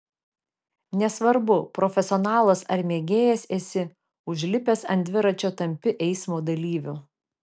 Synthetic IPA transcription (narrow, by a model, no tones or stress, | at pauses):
nʲɛsʋɐɾbʊpɾɔfʲɛsʲɔnɑːlˠɐsɐ̰ɾmʲeːɡʲeːjɛseːsʲɪ | ʊʒʲlʲɪpʲesɐ̰nʲd̪ʲʋʲɪɾɐt͡ʃʲoːt̪ɐmʲpʲɪʔɛɪsmoːd̪ɐlʲiːʋʲʊ